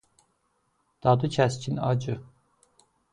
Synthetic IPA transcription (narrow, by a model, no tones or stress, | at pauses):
d̪̥ɑd̪ucʰæscʰinɑ̰d͡ʒɯ